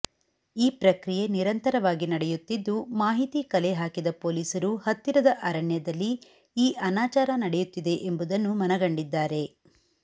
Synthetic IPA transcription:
iːpɾɐkɾije̞niɾɐnt̪ɐɾɐʋaːɡinɐɽɛjut̪ːid̪ːumaːɦit̪ikɐleɦaːkid̪ɐpo̞ːliːsɐɾuhɐt̪ːiɾɐd̪ɐʔɐɾɐɳjɐd̪ɐlːi | iːʔɐnaːt͡ʃaːɾɐnɐɽɛjut̪ːid̪e̞ʔembud̪ɐnːumɐnɐɡɐɳɖid̪ːaːɾe̞

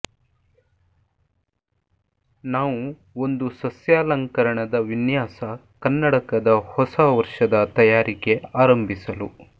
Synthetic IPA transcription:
naːʋu | ond̪usɐsjaːlɐŋkɐɾɐɳɐd̪ɐʋinjaːsɐ | kɐnːɐɽɐkɐd̪ɐhɔsɐʋɐɾʂɐd̪ɐt̪ɐjaːɾʔike̞aːɾɐmbʱisɐlṵ

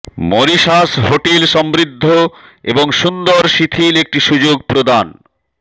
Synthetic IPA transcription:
moɾiʃasɦoʈilʃɔmbɾid̪ʱːoeboŋʃund̪oɾʃit̪ʰilek̚ʈiʃud͡ʑoɡ̚pɾod̪an

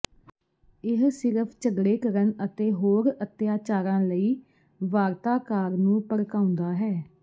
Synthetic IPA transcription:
ɪɦsɪɾəpʰt͡ʃəɡɽeːkəɾənət̪eːɦoːɾət̪jaːt͡ʃaːɾãːləiː | ʋaːɾt̪aːkaːɾnũːpəɽkaːʊ̃nd̪aːɦɛː

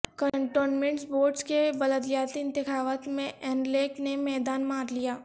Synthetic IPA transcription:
kəɳʈoːnmɛ̃ɳʈsboːɾɖskebɐləd̪jaːt̪iɪ̃nt̪ɪxaːʋət̪mẽʔɛːnleːknemɛːd̪aːnmaːɾlijaː

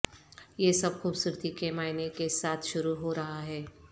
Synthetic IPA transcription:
jesɐbxuːbsʊɾt̪ikemaːɪnekesaːt̪ʰʃʊɾuɦoɾɐɦaɦɛː

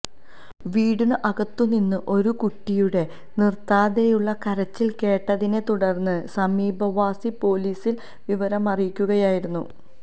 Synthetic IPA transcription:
ʋiːɽuɳɨʔɐɣɐt̪ːuninːɨʔo̞ɾukuʈːijuɽe̞ | nirt̪aːðejuɭːɐkɐɾɐt͡ɕːilke̞ːʈːɐðine̞t̪uɽɐrnːɨsɐmiːbɐʋaːsipo̞ːliːsil | ʋiʋɐɾɐmɐrijkʲːuɣɐjaːjiɾunːṵ

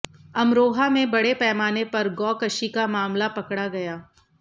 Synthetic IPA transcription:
ɐmɾoːɦamẽbɐɽepɛːmaːnepɐɾɡɔːkɐʃikamaːmlapɐkɽaɡɐjaː

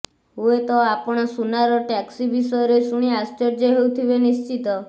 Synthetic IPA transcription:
ɦuet̪ɔapɔɽ̃ɔsunaɾɔʈɛksibisɔjɔɾesuɽ̃iast͡ʃɔɾd͡ʒeɦewt̪ʰibenist͡ʃit̪ɔ

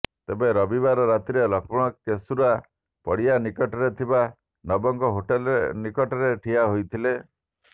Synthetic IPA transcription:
t̪ebeɾɔbibaɾɔɾat̪ɾiɔlɔkɔɽ̃ɔkesuɾua | pɔɽianikɔʈɔɾet̪ʰiba | nɔbɔŋkɔɦoʈelnikɔʈɔɾeʈʰiaɦojt̪ʰile

